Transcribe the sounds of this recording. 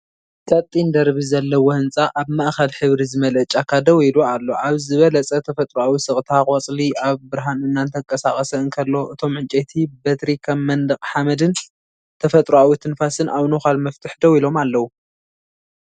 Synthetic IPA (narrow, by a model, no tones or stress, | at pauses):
t͡sʼɐt̪ʼːind̪ɐɾβizɐlːɐwohɨnt͡sʼaʔaβmaʔxɐlħɨβɾizɨmɐlɐt͡ʃʼakʰad̪ɐwilualːo̞ʔaβzɨβɐlɐt͡sʼɐt̪ʰɐfɐt̪ʼɾuawisɨχʼt̪ʰakʼɐt͡sʼliʔaβbɨɾɦanɨnːant̪ʰɐkʼɐsaχʼɐsɐɨŋkʰɐlːo̞ʔɨt̪ʰo̞mʕɨnt͡ʃʼet̪ʰibɐt̪ɾikʰɐmːɐnd̪ɨkʼħamɐd̪ɨn | t̪ʰɐfɐt̪ʼɾuawit̪ʰɨnfasɨnʔaβnoxalmɐft̪ʰɨħd̪ɐwilo̞malːɐwu